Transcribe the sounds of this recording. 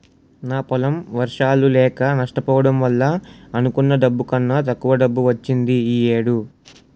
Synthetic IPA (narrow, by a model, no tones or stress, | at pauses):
naːpɔlɐmʋɐɾʂaːlulɛːkɐnɐʂʈɐpɔːʋɐɽɐmʋɐlːɐːnukunːɐɖɐbːukɐnːɐt̪ɐkːuʋɐɖɐbːuʋɐt͡ʃːind̪iijeːɽu